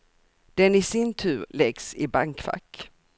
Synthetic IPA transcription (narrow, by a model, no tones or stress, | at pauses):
d̪̥ɛnɪsɪnt̪ʰʉ̟ːɾlɛɡsɪbaŋkfa̰kː